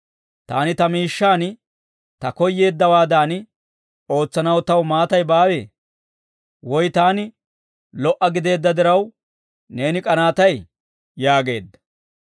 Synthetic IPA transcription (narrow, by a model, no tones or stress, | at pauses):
t̪a̰ːnɪt̪ɐmiːʃːaːn | t̪ɐkɔjːe̞ːd̪ːɐwaːd̪aːn | o̞ːt͡sːɐnɐwt̪ɐwmaːt̪ɐjbaːwe̞ː | wɔjt̪aːnɪ | lɔʔɐɡɪd̪e̞ːd̪ːɐd̪ɪɾɐw | ne̞ːnɪkʼɐnaːt̪ɐj | jaːɡe̞ːd̪ːɐ̥